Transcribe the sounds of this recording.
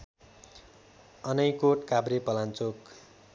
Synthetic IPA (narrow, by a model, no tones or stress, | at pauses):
ʌnʌjkoʈkabɾepʌlãnt͡sok